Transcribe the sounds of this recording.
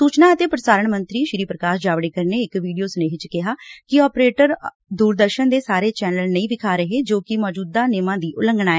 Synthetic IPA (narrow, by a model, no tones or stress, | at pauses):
suːt͡ʃnãːət̪eːpɾəsaːɾəɳmə̃nt̪ɾiːʃɾiːpɾəkaːʃd͡ʒaːʋɽeːkəɾneːɪkʋiːɖijoːsəneːɦɪt͡ʃkɪɦaːkɪɔːpɾeːʈəɾ | d̪uːɾd̪əɾʃənd̪eːsaːɾeːt͡ʃɛːnəlnəĩːbɪkʰaːɾəɦeːd͡ʒoːkɪmɔːd͡ʒuːd̪aːneːmãːd̪iːʔʊləŋɡnaːɛː